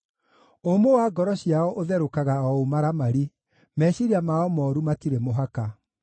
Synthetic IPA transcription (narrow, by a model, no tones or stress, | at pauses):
omowaɡɔɾɔɕiaɔʔoðɛɾokaɣaɔomaɾamaɾi | mɛɕiɾiamaɔmɔːɾumatiɾemoɦaka